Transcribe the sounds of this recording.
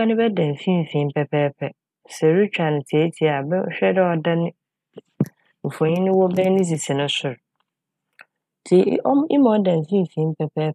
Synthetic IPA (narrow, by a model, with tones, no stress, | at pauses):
a˦nɪ̃˦bɛ˦dã˨n̩˨fĩ˦˨fĩ˨˦m̩˦pʰɛ˨pʰɛː˦pʰɛ˦ | sɛ˨ɾu˦t͡ɕᶣa˨nɪ̃˨tʰi˨e˦tʰi˨a˨bɛ˦ɕᶣɛ˦dɛ˦ɔ˨da˦nɪ̃˦ | m̩˨fɔ̃˨ɲĩ˦nɪ̃˦wɔ˦bɛ˦nĩ˦s̬i˨sɪ̃˨nʊ̃˦sʊ˨ɾ | tʰi˨˦ʔɔ˦m˦ɪ˦mã˨˦dã˨m̩˨fĩ˦˨fĩ˨˦m̩˦pʰɛ˨pʰɛː˦